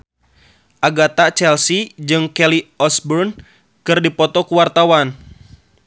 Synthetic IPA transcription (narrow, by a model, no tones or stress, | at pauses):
ʔaɡat̪at͡ʃɛlsid͡ʒɨŋkɛliɔsbɔrn | kɨrdipɔt̪ɔkuwart̪awan